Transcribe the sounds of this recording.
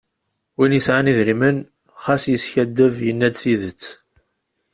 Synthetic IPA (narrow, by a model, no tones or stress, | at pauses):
winjəsʕaniðɾimən | χæsjəsçæd̪ːəvjənːæd̪θiðət͡sː